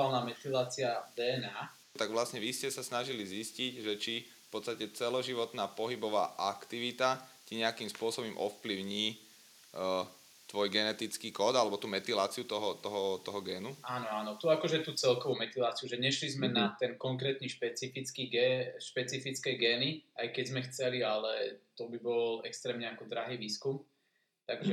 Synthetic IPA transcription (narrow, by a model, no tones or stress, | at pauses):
alnaːmɛt̪ilaːt͡siad̪ɛːɛnaː | t̪aɡʋlasɲɛʋiscɛsasnaʒilizisciɟʒɛt͡ʃi | fpɔt̪t͡sst̪acɛt͡sɛlɔʒiʋɔt̪naːpɔɦibɔʋa̰ːʔakt̪iʋit̪aciɲɛakimspʊɔsɔbɔmʔɔ̰fpliʊɲiː | t̪ʋɔjɡɛnɛt̪it͡skiːkɔːd̪alɛbɔt̪uːmɛt̪ilaːt͡siut̪ɔɦɔt̪ɔɦɔt̪ɔɦɔɡɛːnuaːnɔaːnɔt̪uakɔʒɛt̪uːt͡sɛlkɔʋumɛt̪ilaːt͡siuʒɛɲɛʃlizmɛnat̪ɛnkɔŋkɾɛːt̪niːʃpɛt͡sifit͡skiːɡɛʃpɛt͡sifit͡skɛɡɛːniajkɛzmɛxt͡sɛlialɛt̪ɔbibɔlɛkst̪ɾɛːmɲɛakɔd̪ɾaɦiːʋiːskum | t̪aɡʒɛ